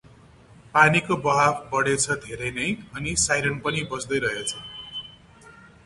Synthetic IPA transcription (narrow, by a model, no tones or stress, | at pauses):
panikobʌɦabʰbʌɽet͡sʰʌd̪ʱeɾʌjnʌjʌnisajɾʌnpʌnibʌsd̪ʌjɾʌɦet͡sʰʌ